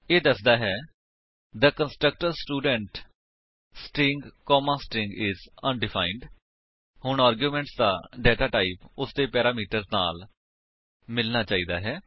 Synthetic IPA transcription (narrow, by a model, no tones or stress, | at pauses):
eːd̪əsd̪aːɦɛː | d̪əkənsʈɾək̚ʈəɾsʈuːɖəɳʈ | sʈɪŋɡkɔːmãːsʈɪ̃ŋɡɪzənɖɪpʰaːɪɳɖ | hʊɳaːɾɡjuːmɛ̃ːɳʈsd̪a̰ːɖɛːʈaːʈaːipʊsd̪eːpɛːɾaːmiːʈəɾzna̰ːl | mɪlnaːt͡ʃaːiːd̪aːɦɛː